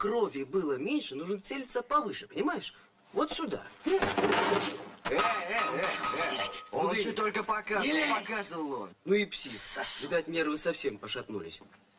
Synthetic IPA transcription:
krovʲɪbɨlˠəmʲenʲʂɨnuʐnət̪selʲɪt̪səpɐvɨʂɨpənʲɪmajɪʂ | vo̞t̪sʲʊd̪a̰ | ɛɛɛɛtʲot̪olʲkəpɐkaipɐkazɨvəlˠo̰nnuipsʲisvʲɪd̪at̪ʲnʲe̞rvɨsɐfsʲe̞mpəʂɐt̪nṵlʲɪ̰sʲ

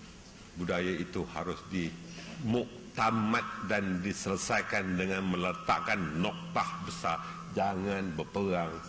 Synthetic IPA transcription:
budajait̪uhaɾʊsdi | muʔ | t̪amat̪̚dandisələsajkandəŋãnmə̃lət̪a̰ʔkanːɔk̚t̪ahbəsar | d͡ʒaŋãnbəpəɣaŋ

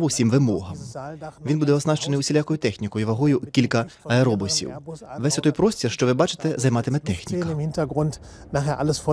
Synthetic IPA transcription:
ʊwsʲimʋɪmɔɦɐmʋinbud̪ɛɔznɑʃt͡ʃenɪjʊsʲilʲakɔjʊt̪ɛxnʲikɔjʊʋɐɦɔjʊkʲilʲkɐɐɛɾɔbʊsʲḭwʋɛsʲɔt̪ɔjpɾɔsʲtʲirʃt͡ʃɔʋɪbɑt͡ʃɪ̥t̪ɛzɐjmɑt̪ɪmɛt̪ɛxnʲikmhɪntɐɡʁʊnt | naːχeːɐʔaləsf

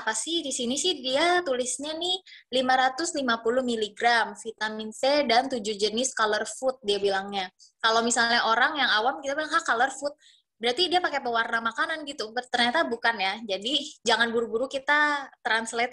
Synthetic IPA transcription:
apasɪhdisinisɪhdiat̪ulɪsɲanɪhlimaɾat̪ʊslimapulʊhmiliɡɾamfit̪aminfedant̪ud͡ʒuhd͡ʒənɪskalərfʊt̪̚diabilaŋɲa | kalowmisalɲaʔoɾaŋjaŋawamkit̪abilaŋhahkalərfʊt̪̚ | bəɾart̪idiapakepəwarnamakananɡit̪ubt̪ərɲat̪abukanjad͡ʒadid͡ʒaŋanbuɾubuɾukit̪at̪ɾanslɛt̪̚

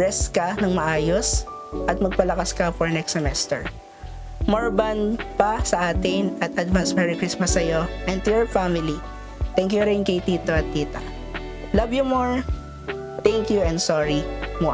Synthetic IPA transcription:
ɹɛskɐnɐŋmɐʔaːjos | ʔɐt̪̚mɐɡ̚pɐlɐkaskɐfɔɹnɛksɛmɛst̪ɛ̰ɹ | moɹbɐnpɐsɐʔaːt̪ɪnʔɐt̪ʔɐd̪vansmɛɹɪkɾismɐsɐjo̞ʔɛnd̪̚t̪ʊjɔɹfamɪli | t̪ɛŋkjʊɾɛnkɐjt̪iːt̪oɐt̪ːiːt̪ɐ̰ | lɐvjʊmoɹ | t̪ɛŋkjuɛnd̪soɹimoʔ

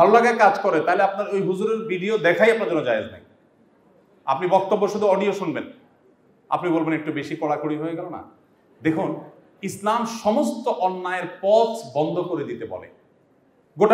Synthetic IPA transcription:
bʱalolaɡakad͡ʑkɔɾet̪aɦeleapnaɾojɦuzuɾeɾbiɖiod̪ɛkʰajap̚naɾd͡ʑɔɾnod͡ʑaed͡ʑna̰j | a̰pnibɔk̚t̪obːoʃud̪ʱuɔɖioʃunben | a̰pnibolbenek̚ʈubeʃikɔɽakoɽiɦoeɡɛlona̰ | d̪ekʰun | islamʃɔmost̪oʔɔnːaeɾpɔsʰbɔnd̪ʱokoɾed̪it̪ebɔ̰lḛ | ɡoʈa

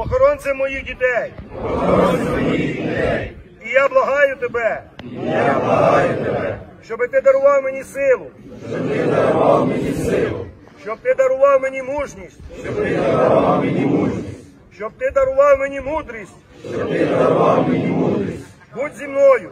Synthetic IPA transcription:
pɔxɔɾɔnsɛmɔjixdʲit̪ɛjɔxɔɾɔnɛɔjit̪ɛj | ijablˠɐɦɑjʊt̪ebɛijablˠɐɦajʊt̪ebɛʃt͡ʃɔbɪt̪ɪd̪ɐɾʊʋɑwmenʲisɪlˠʊʃt͡ʃɔbt̪ɪd̪ɐɾʊʋɑwmenʲisɪlˠʊ | ʃt͡ʃɔb̚t̪ɪd̪ɐɾʊʋɑwmenʲimuʒnʲisʲtʲʃʃt͡ʃɔbt̪ɪd̪ɾamenʲimuʒnʲis | ʃt͡ʃɔb̚t̪ɪd̪ɐɾʊʋɑwmenʲimud̪ɾʲisʲtʲ | t͡ʃɔbt̪ɪd̪ɐɐɾʊʋɑwmenʲimud̪ɾisʲ | butʲzʲimnɔjʊ

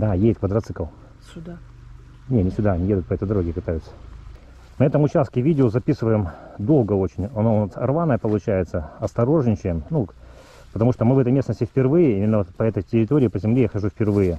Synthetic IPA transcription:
d̪ajejɪt̪̚kvəd̪ɾɐt̪sɨkəlˠ | sʲʊd̪a | nʲenʲɪsʲʊd̪aɐnʲɪjed̪ʊt̪pɐɛt̪əjd̪ɐɾoɡʲɪpɨt̪ajʲʊt̪sə̥ | nəɛt̪əmʊt͡ɕast̪̚kʲɪvʲidʲɪozɐpʲisɨvəjɪmd̪o̞lˠɡəo̞t͡ɕɪnʲɐnoʊnasɐrvanːəjəpəlˠʊt͡ɕæjɪt̪səɐst̪ɐɾo̞ʐnʲɪt͡ɕɪnnu | pət̪ɐmuʂt̪omɨvɛt̪əjmʲesnəsʲtʲɪfʲpʲɪrvɨjɪimʲɪnːət̪pɐɛt̪əjtʲɪɾʲɪt̪oɾʲɪiːpəzʲɪmlʲejaxɐʐufʲpʲɪrvɨjɪ

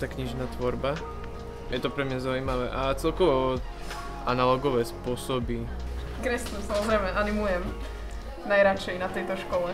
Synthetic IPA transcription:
t̪aːkɲiʒnaːt̪ʋɔɾba | jɛt̪ɔpɾɛmɲazaʊimaʋɛ̰ʔat͡sɛlkɔʋɔ | ʔanalɔɡɔʋɛːspʊɔsɔbi | kɾɛsnusamɔzɾɛjmɛʔanimujɛm | najɾat͡ʃɛjnat̪ɛjt̪ɔʃkɔlɛ

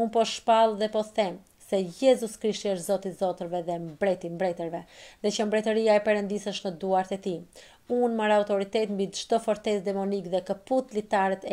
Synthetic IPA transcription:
unpɔʃpalˠðɛpɔθɛm | sɛjɛzuskɾiʃt̪iəʃt̪zɔt̪izɔt̪əɾvɛðɛmbɾɛt̪imbɾɛt̪əɾvɛðɛt͡ʃəmbɾɛt̪əɾiaɛpɛɾənd̪isəʃnəd̪uaɾt̪ɛt̪i | unmaɾaut̪ɔɾit̪ɛt̪mbid͡ʒd̪ɔfɔɾt̪ɛsd̪ɛmɔnikðɛkəput̪lit̪aɾɛt̪ɛ

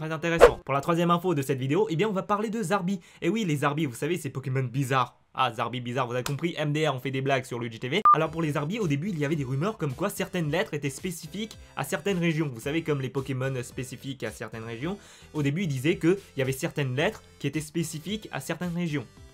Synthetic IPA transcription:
t̪χɛzɛ̃t̪eʁɛsɑ̃puʁlat̪χwazjɛmɛ̃fod̪əsɛt̪vid̪eoʔebjɛ̃ɔ̃vapaʁled̪əzaʁbi | ewilezaʁbivusavesɛpɔkʲemɔnbizaʁ | a̰zaʁbibizaʁvuzavekɔ̃pχiʔɛmd̪eɛʁɔ̃fɛd̪eblaɡsyʁləʒet̪evealɔʁpuʁlezaʁbiod̪ebyilijavɛd̪eʁymœʁkɔmkwasɛʁt̪ɛnlɛt̪χet̪ɛspesifik | a̰sɛʁt̪ɛnʁeʒjɔ̃vusavekɔmlepɔkʲemɔnspesifikasɛʁt̪ɛnʁeʒjɔ̃ | od̪ebyild̪izɛkəiljavɛsɛʁt̪ɛnlɛt̪χ | kʲiet̪ɛspesifika̰sɛʁt̪ɛnʁeʒjɔ̃

